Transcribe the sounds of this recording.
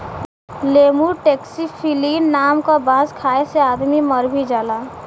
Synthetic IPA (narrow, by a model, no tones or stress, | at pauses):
leːmuʈeːksifʰiliːnːaːmkabãːzkʰaːeseaːd̪mimɐɾbʱid͡ʒaːlaː